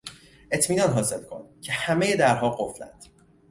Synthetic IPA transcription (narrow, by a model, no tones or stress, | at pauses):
ʔe̞t̪ʰmiːnɒːnɦɒːze̞lkʰo̞̰ncʰe̞hæme̞je̞d̪æɾɦɒːɡo̞flæ̰nd̪̥